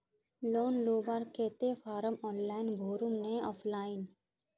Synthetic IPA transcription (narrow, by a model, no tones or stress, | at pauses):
loːnloːbaɾkeːt̪efʰaːɾəmɔːnlaːɪnbʱoːɾʊmneɔːpʰlaːɪn